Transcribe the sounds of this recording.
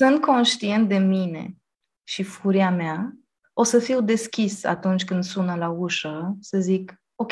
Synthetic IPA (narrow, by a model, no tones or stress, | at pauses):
sɨnt̪̚ko̞nʃt̪ie̞nt̪̚d̪e̞mine̞̰ | ʃifuɾiamea | o̞səfiwd̪e̞skʲisa̰t̪unt͡ʃʲkɨnd̪sunəlauʃəsəzik | okʲ